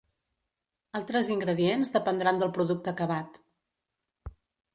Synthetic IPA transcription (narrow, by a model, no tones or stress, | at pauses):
alˠt̪ɾəziŋɡɾəðienzðəpənd̪ɾand̪əlˠpɾuðuk̚t̪əkəβat̪